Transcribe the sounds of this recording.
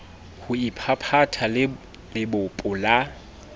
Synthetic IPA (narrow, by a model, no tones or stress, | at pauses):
hʊipʰapʰatʰal | lɪbʊpʼʊla